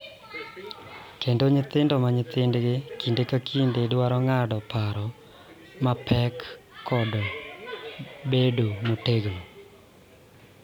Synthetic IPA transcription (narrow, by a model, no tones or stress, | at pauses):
kendoɲɪt̪ɪndɔmaɲɪt̪ɪndɡɪkindekakʰindedwaɾɔŋadɔpaɾɔ | mapʰɛkʰːɔd | bedomoteɡno